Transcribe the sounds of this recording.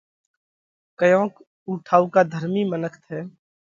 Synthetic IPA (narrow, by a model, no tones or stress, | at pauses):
kəjõːk | uʈʰaːukad̪ʱəɾmimənəkʰt̪ʰɛː